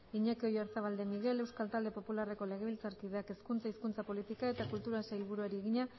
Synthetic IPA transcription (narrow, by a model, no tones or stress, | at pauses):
iɲekeo̞jeɾθaβald̪e̞miɣɾe̞le̞wskalt̪ald̪e̞po̞pulare̞ko̞le̞ɣe̞βilt͡saɾkið̞eake̞skunt͡saiskunt͡sapo̞lit̪ikae̞t̪akult̪uɾasajlβuɾuaɾieɣ̞iɲa